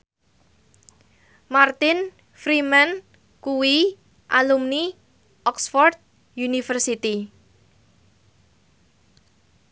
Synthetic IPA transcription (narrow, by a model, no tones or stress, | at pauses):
mart̪ɪn | fɾiman | kuwi | ʔalumni | ʔɔksfɔrt̪̚ | junifərsit̪i